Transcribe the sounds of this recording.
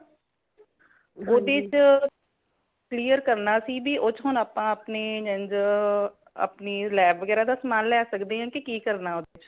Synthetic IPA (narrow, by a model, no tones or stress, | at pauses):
oːd̪eːt͡ʃ | kliːəɾkəɾnaːsiːbʱiːʔoːt͡ʃɦʊnaːpãːəpneːd͡ʒə̃nd͡ʒ | ə̰pniːlɛːbʋəɡɛːɾaːd̪aːsəmaːnlɛːsəkd̪eːɦãːkɪkiːkəɾnaːoːd̪eːt͡ʃ